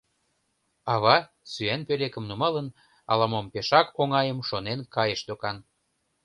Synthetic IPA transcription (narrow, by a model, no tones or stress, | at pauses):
ɑβɑ | syænpelekəmnumɑlən | ɑ̰lɑmompeʃɑkoŋɑjəmʃonenkɑjeʃd̪okɑn